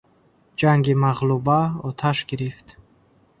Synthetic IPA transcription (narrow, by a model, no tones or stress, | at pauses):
d͡ʒaŋɡimaʁlubaɔt̪ʰaʃɡiɾift̪